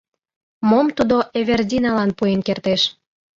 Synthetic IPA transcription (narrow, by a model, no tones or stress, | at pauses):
momt̪ud̪oʔeβerdʲinɑlɑnpuenkert̪eʃ